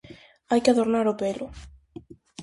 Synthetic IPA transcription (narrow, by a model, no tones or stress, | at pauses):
ajkɪaðoɾnaɾopelʊ